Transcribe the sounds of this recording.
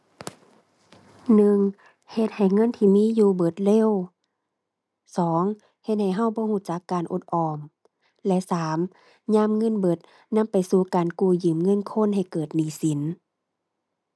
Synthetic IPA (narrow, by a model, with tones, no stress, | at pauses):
nɯ˧ŋ | he˧t̪̚ha˨˩jŋɤ˧˥˨nt̪ʰiː˧˨miː˧˥˨juː˧˩bɤ˧˩t̪̚le˧˥˨w | sɔː˨˦ŋ | he˧˦t̪̚ha˨˩jɦa˧˥˨wbɔː˧˦huː˧˥˨t͡ɕa˧˦kːaː˨˩nʔṵ˧˩t̪̚ʔɔː˨˩m | lɛ˧˥saː˨˦m | ɲaː˧˥˨mŋɤ˧˥˨nbɤ˧˩t̪̚ | na˧˥˨mpa˨jsuː˧˦kaː˨nkuː˧˩jɯː˨˩mŋɤ˧˥˨nkʰo˧˥˨nɦa˨˩jkɤː˨˩t̪̚niː˧˩˦si˨˦n